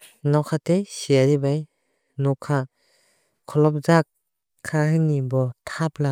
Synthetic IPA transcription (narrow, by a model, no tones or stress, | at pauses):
nɔkʰatejsiaɾibaj | nɔkʰa | kʰɔlɔp̚zakʰː | aɦɯnibɔtʰapla